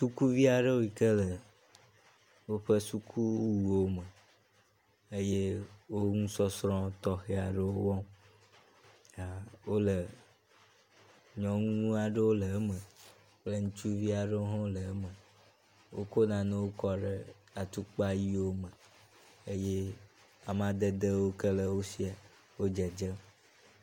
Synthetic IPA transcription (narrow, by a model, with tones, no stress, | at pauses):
su˦ku˦vi˦a˨ɖə˦wo˦i˨kə˦lə˨ | wo˦ɸə˦su˦kʰu˦wu˨wo˦mə˨ | e˦je˦wo˦ŋũ˦sɔ˦sɾɔ̃˦t̪ɔ˦xe˦a˨ɖə˦wo˦wɔ̃˦ | a˨wo˦lə˨ | ɲɔ̃˨ŋũ˦ũ˦a˨ɖə˦wo˦lə˨˦mə˨ | k͡plə˦ŋũ˦t͡ʃu˦vi˦a˨ɖə˦o˦ɦɔ̃˦lə˨˦mə̃˨ | wo̰˦ko˦nã˨nẽ˦wo˦kɔ˦ɖə˦ | a˨t̪u˦k͡pa˦ji˦wo˦mə˨ | e˦je˦ | a˨m˦ã˨d̪ə˦d̪ə˦wo˦kə˦lə˦wo˦si˦a˨ | wo˦d͡ʒə˨d͡ʒə˦